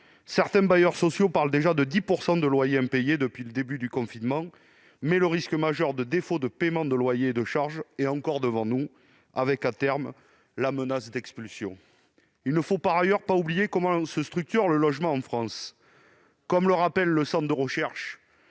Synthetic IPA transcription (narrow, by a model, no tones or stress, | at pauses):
sɛʁt̪ɛ̃bajœʁsɔsjopaʁld̪eʒad̪əd̪ipuʁsɑ̃d̪əlwajeɛ̃pejed̪əpɥiləd̪ebyd̪ykɔ̃finmɑ̃ | mɛləʁiskəmaʒœʁd̪əd̪efod̪əpemɑ̃d̪əlwajeːd̪əʃaʁʒeɑ̃kɔʁd̪əvɑ̃nu | avɛkat̪ɛʁm | lamənasd̪ɛkspylsjɔ̰̃ | ilnəfopaʁajœʁpaublijekɔmɑ̃səst̪χyk̚t̪yʁləlɔʒmɑ̃ɑ̃fχɑ̃s | kɔmləʁapɛlːəsɑ̃d̪əʁəʃɛʁʃ